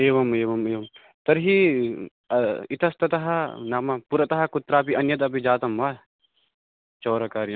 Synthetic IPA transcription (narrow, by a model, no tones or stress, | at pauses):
eːʋɐmeːʋɐmeːʋɐm | t̪ɐɾɦi | ɐit̪ɐst̪ɐt̪ɐɦɐnaːmɐpuɾɐt̪ɐɦɐkut̪ɾaːpiʔɐnjɐt̪̬ɐpid͡ʒaːt̪ɐmʋaː | t͡ʃoːɾɐkaːɾjɐ